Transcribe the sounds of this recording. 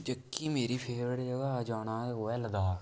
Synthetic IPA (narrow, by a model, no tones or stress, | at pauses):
d͡ʒəkːiːmeːɾiːpʰeːɽd͡ʒəɡaːd͡ʒaːɽãːoːɛːləd̪aː